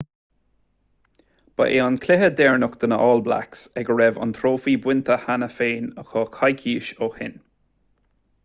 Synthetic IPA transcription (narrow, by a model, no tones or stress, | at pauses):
b̥ə̰ʔeːɔnkʰlɪɦəd̪ɛɹnʊkt̪ənəʔɔːlbla̰ksɛɡəɹɛvɔ̰nt̪ʰɾoːfiːbwɪnt̪ʰəhanəfeːnəxɔːkʰajkʰiːʃohɪ̰n